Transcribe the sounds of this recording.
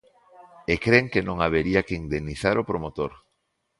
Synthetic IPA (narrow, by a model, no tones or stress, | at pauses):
ekɾeŋkenõŋaβ̞eɾiakeind̪eniθaɾopɾomot̪oɾ